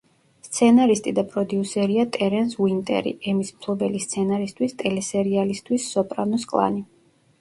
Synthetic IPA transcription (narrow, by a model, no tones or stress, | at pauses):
st̪sʰɛnaɾist̪ʼid̪apʼɾɔd̪iusɛɾiat̪ʼɛɾɛnswint̪ʼɛ̰ɾḭɛmismpʰlˠɔbɛlist̪sʰɛnaɾist̪ʰwist̪ʼɛlɛsɛɾialist̪ʰwisːɔpʼɾa̰nuskʼlˠa̰ni